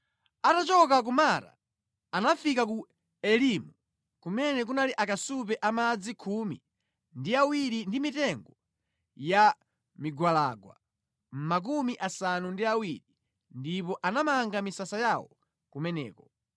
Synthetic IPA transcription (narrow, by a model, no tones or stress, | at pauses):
atat͡ʃɔkak̬umaɾa̰ | anafikaku | ɛlimu | kumɛnɛk̬unaliʔakasup̬ɛʔamad͡zikʰumḭ | ndiawiɾindimitɛŋɡɔ | ja | miɡwalaɡwa̰ | m̩mak̬umiʔasanundiawiɾi | ndipɔʔanamaŋɡamisasajawɔ | kumɛnɛ̰ːkɔ